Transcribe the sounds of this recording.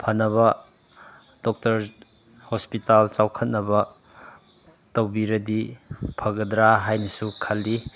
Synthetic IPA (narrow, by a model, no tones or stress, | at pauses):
pʰɐnːɐβɐ | d̥ok̚tɐɾ | hospitalt͡ʃawkʰɐt̚nɐbɐ | tɐwbiɾɐdipʰɐɡɐdɾaɦajnɐsukʰɐlːi